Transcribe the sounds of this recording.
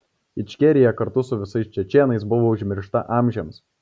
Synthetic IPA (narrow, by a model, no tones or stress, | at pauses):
ɪt͡ʃʲkʲɛɾʲɪjɛkɐɾt̪ʊsʊʋʲɪsɐɪst͡ʃʲɛt͡ʃʲeːnɐɪsbʊʋoːʊʒʲmʲɪɾʃt̪ɐʔɑːmʲʒʲɛms